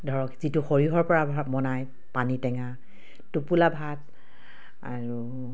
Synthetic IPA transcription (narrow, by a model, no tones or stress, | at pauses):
dʱɔɹɔkzituxɔɹiɦɔɹpɔɹabʱamɔnaj | panitɛŋa | tupulabʱat̚ | a̰ɹu